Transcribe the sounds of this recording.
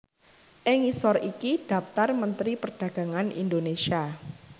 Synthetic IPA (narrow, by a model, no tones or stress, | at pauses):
ʔɪŋisɔɾikiɖ̥a̤pt̪armənt̪ɾipərɖ̥a̤ɡ̥a̤ŋanʔḭndonesia